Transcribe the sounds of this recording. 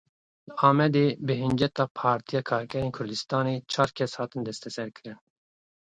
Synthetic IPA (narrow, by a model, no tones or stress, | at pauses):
ləɑːmɛd̪eːbɨɦɨnd͡ʒɛt̪ɑːpʰɑːɾt̪ʰijɑːkʰɑːɾkʲʰɛɾeːnkʰʊɾd̪ɨst̪ɑːneːt͡ʃʰɑːɾkʰɛshɑːt̪ɨnd̪ɛst̪ʰɛsɛɾkɨɾɨn